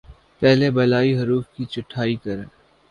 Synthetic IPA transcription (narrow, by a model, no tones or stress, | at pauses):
pɛɦlebɐlaːiɦɐɾuːfkit͡ʃʊʈʰːaːikɐɾeː